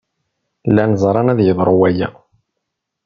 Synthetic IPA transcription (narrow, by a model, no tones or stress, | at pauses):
lænzˤɾˤɑnæðjəðˤɾˤowæjæ